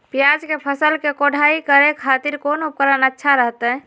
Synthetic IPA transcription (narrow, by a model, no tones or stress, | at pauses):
pjad͡ʒkepʰəsəlkekoɽ̤ʱaikəɾekʰat̪iɾkonup̚kəɾənətːʃʰaɾəɦt̪ɛ̃